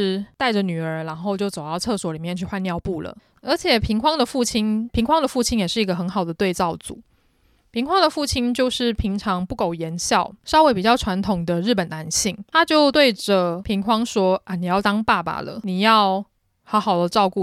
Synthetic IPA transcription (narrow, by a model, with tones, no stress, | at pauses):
ɻ̩˧˥˩t̪a˥˩ɪʈ͡ʂə˨˩ny˨˩ə˞˧˥ɻa˧˥nxo˥˧ʊt͡ɕjo˥˩ʊt͡so˨˩ʊɑ˥˧ɤ˥˩swɔ˧˥li˨˩mjɛ˥˧nt͡ɕʰy˥˧˩wa˥˧njɑ˥˧ʊpu˥˩lə̰˩ | ə˞˧˥t͡ɕʰjɛ˨˩pʰi˧˥ŋkʰwɑ˥ŋd̪ə˨fu˥˩t͡ɕʰi˥ŋpʰi˧˥ŋkʰwɑ˥ŋd̪ə˨fu˥˩t͡ɕʰi˥njɛ˨˩ʂɻ̩˥˩i˧˥ɡə˧xə˧˥nxɑ˨˩ʊd̪ə˦t̪we˥˧ɪt͡sɑ˥˩ʊt͡sṵ˨˩˦ | pʰi˧˥ŋkʰwɑ˥ŋd̪ə˨fu˥˩t͡ɕʰi˥nt͡ɕjo˥˧ʊʂɻ̩˥˩pʰi˧˥ŋʈ͡ʂʰɑ˧˥ŋpu˥˩ko˨˩ʊjɛ˧˥nɕjɑ˥˩ʊʂɑ˥ʊwe˧˥pi˨˩t͡ɕjɑ˥˩ʊʈ͡ʂʰwa˧˥nt̪ʰʊ˨˩ŋd̪ə˧˦ɻ̩˥˩pə˨˩na˧˥nɕi˥˩ŋt̪ʰa˥t͡ɕjo˥˧ʊt̪we˥˩ɪʈ͡ʂə˩pʰi˧˥ŋkʰwɑ˥ŋʂwɔ˥ʔa˧˩ni˨˩jɑ˥˩ʊt̪ɑ˥ŋpa˥˩ba̰˨˩lə̰˩ni˨˩jɑ˥˩ʊ | xɑ˧˥xɑ˨˩ʊd̪ə˦ʈ͡ʂɑ˥˧ʊku˥˨